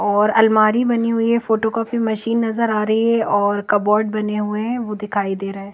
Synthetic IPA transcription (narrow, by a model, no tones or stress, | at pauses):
ɔːɾɐlmaːɾibɐniɦʊiɦɛ̃foːʈokɔːpimɐʃiːnːɐzəɾaːɾɐɦiɛɔːɾkɐbɔːɾɖ̚bɐneɦʊeɦɛ̃ʋoːd̪ɪkʰaːid̪eːɾɐɦɛ̃ː